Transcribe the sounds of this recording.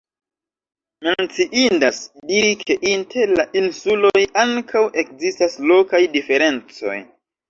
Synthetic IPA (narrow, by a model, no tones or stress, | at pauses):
me̞nt͡siʔindasdiɾikʰe̞ʔintʰe̞ɾlaʔinsulo̞jaŋkʰawʔe̞kzistaslo̞kajdife̞ɾe̞nt͡so̞̰j